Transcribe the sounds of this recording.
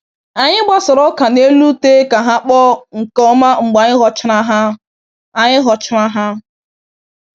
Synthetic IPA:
a˨ɲɪ˦ɡ͡ba˦sɔ˨ɾɔ˦ka˨ne˦lu˦te˦ka˨ɦa˦k͡pɔ˦ŋ̩˨kɔ˦ma˦ŋ͡m̩˨ɡ͡ba˨ɲɪ˦ɦɔ˨t͡ʃɪ˦ɾa˦ɦa˦ | a˨ɲɪ˦ɦɔ˨t͡ʃɪ˦ɾa˦ɦa˦

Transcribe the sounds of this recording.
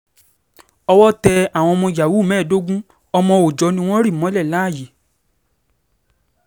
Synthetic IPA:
ɔ˧wɔ˦tɛ˧a˨w̃ɔ̃˧ɔ˧mɔ̃˧ja˨wu˦˨mɛ̃ː˦˨do˦ɡũ˦ | ɔ˧mɔ̃˧o˨d͡ʒɔ˨˧˦nĩ˦w̃ɔ̃˦ɾi˦˨mɔ̃˨˦lɛ˦˨la˨˦˨je˨

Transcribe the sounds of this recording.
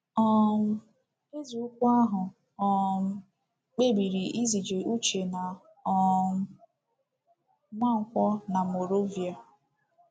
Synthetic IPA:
ɔ˦n̩˦ | ɪ˦zu˨u˦kʷu˦a˦ɦʊ˨ | ɔ˨n̩˦ | k͡pe˦bi˨ɾi˨i˦zi˨d͡ʒe˨ʔu˦t͡ʃe˨na˨ | ɔ˨˦ | ma˦ŋ̩˨kʷɔ˦na˨mo˨ɾo˦vi˨a˨

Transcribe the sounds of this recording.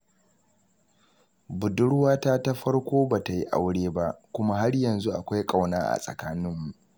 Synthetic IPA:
bʊ˨dʊ˦ɽwaː˦ta˦ta˦ɸɐ˦ɽkʷoː˦baː˨ta˨ji˦ʔa̰˦wɽeː˦ba˦ʔkʷʊ˦ma˦ɦa˦ɽjɐ˨nzu˦ʔa˨kʷa˦jkʼa˦˨wnaː˦ʔa̰˨sʼɐ̰˨kaː˦nɪ˦mːu˨ʔ

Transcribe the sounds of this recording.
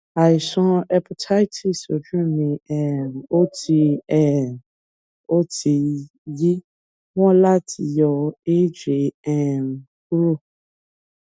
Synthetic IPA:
a˨ɪ˨sɔ̃˦ɛ˨pʰɔ˨tʰa˦jtʰi˨so˨d͡ʒũ˦mĩ˨ɛ˨mo˦tʰi˧ɛ˨ | o˦tʰi˨ | ji˦ | wɔ̃˦la˦tʰi˨jɔ˨e˦d͡ʒe˨ɛ˨m | ku˦ɾu˦˨

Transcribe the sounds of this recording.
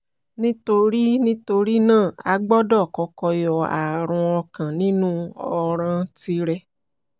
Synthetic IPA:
nĩ˦to˧ɾi˦nĩ˦to˧ɾi˦nãː˦˨a̰˨˦ɡ͡bɔ˦dɔ˦˨kɔ˧kɔ˧jɔ˨a̰˨ɾ̃ũ˧ɔ˧kã˨nĩ˦nũ˦ɔ˨ɾ̃ã˧ti˧ɾɛ˧

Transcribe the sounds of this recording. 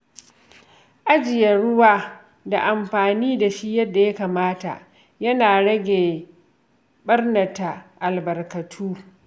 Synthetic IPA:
ʔa˦d͡ʒɪ˨jɐ˨ɽʊ˦waː˦ | da˨ʔa˨mɸaː˨niː˦da˨ʃi˦jɐ˦dːa˨ja˦kaː˨maː˦ta̰˨ʔ | jɐ˦naː˨ɽɐ˦ɡʲeː˨ | ɓɐ˦rnɐ˨ta˨ʔa˨lbɐ˨rkɐ˨tʰuː˦

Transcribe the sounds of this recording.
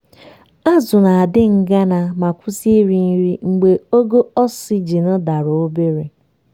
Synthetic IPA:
a˦zʊ˨na˨a˨dɪ˦ŋ̩˨ɡa˦na˨ma˨kʷʊ˦si˦ɾi˨n˦ɾi˦ŋ͡m̩˨ɡ͡be˨o˦ɡo˦ɔ˦si˦d͡ʒi˨nɔ˦da˨ɾo˨o˦be˦ɾe˨

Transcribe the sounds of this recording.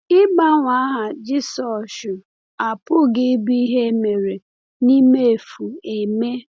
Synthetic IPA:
ɪ˦ba˦ŋʷa˦ɦa˨d͡ʒɪ˦sɔ˨ʃʊ˨ | a˨pʊ˦ɡɪ˦bi˦i˦ɦe˦me˨ɾe˨ | ni˦me˦e˨fu˨e˨me˦

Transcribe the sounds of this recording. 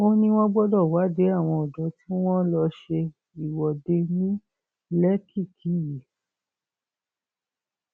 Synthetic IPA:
o˦nĩ˧w̃ɔ̃˦ɡ͡bɔ˦dɔ˦˨wa˨˦de˨˦a˦˨w̃ɔ̃˧ɔ˨dɔ̃˨˦ti˦w̃ɔ̃˦lɔ˧ʃe˧ | i˨wɔ˨de˧nĩ˦ | lɛ˦ki˦˨kʰi˨˦je˨

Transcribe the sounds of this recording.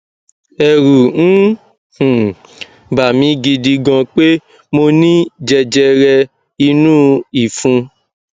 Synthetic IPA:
ɛ˨ɾu˨ñ̩˦ | hũ˨ | ba˨mĩ˨˧˦ɡi˧di˧ɡɔ̃˧k͡pe˦ | mo˧nĩ˦d͡ʒɛ˧d͡ʒɛ˧ɾɛ˧ | i˧nũː˦i˨fũ˧

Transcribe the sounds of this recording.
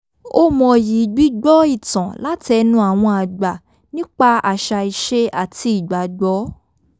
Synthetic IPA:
o˦mɔ̃˧ji˨˦ɡ͡bi˦ɡ͡bɔ˦i˦˨tã˨la˦tɛ˧nũ˦a˦˨w̃ɔ̃˧a˨ɡ͡ba˨ | nĩ˦k͡pa˧a̰˨ʃa˧i˨ʃe˦a˨ti˧i˨ɡ͡ba˨ɡ͡bɔ˨˦

